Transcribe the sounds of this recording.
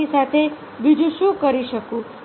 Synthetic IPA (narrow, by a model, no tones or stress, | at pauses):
isat̪ʰe | bid͡ʒũʃũkəɾiʃəkũ